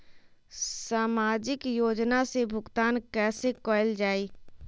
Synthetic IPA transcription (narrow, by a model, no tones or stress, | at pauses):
saːmaːd͡ʒɪkjoːd͡ʒnasebʱʊɡt̪aːnkɛːsekɔːɪld͡ʒaːiː